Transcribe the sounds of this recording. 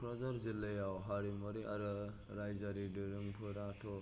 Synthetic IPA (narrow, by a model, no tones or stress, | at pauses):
pʰɾazaɾzilːajawɦaɾimɔɾiʔaɾɯ | ɾajzaɾidɯɾɯŋpʰɯɾatʰɔ